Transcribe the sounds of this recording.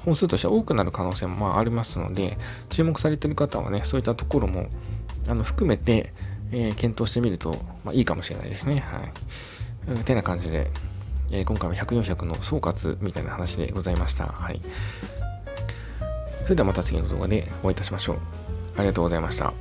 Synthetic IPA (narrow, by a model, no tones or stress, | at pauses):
hõ̞nsɨːt̪o̞ɕit̪eao̞ːkɯ̟naɾɯ̟kano̞ːse̞ːmo̞maːʔaɾʲimasɨno̞̰d̪e̞ | t͡ɕɨːmo̞kɯ̟̥saɾe̞t̪e̞ɾɯ̟kat̪aβa̰neso̞ːit̪ːat̪o̞ko̞ɾo̞mo̞̰ano̞ɸɯ̟̥kɯ̟me̞t̪e̞ː | kẽnt̪o̞ːɕi̥t̪e̞mʲiɾɯ̟t̪o̞̰ma̰ːʔiːkamo̞ɕiɾe̞na̰ḭd̪e̞sɨneha̰i | ɯt̪e̞nakãɲ̟d͡ʑid̪e̞̰eːkõ̞ŋkaiβaçakɯ̟jõ̞çakɯ̟no̞so̞ːkat͡sɨ̰mʲit̪ainahanaɕid̪e̞̰ɡo̞zaimaɕi̥t̪a̰haḭ | so̞ɾe̞d̪eamat̪at͡sɨɡʲḭno̞d̪oːɡa̰d̪e̞̰oait̪aɕimaɕo̞̰ː | aɾʲiɡɣat̪oːɡozaimaɕi̥t̪a̰